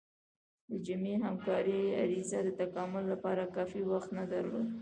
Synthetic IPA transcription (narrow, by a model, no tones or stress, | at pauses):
d̪əd͡ʒameɦamkɑɾia̰ɾizad̪ət̪akɑmʊlːapɑɾakɑfiwaxt̪nad̪aɾlod̪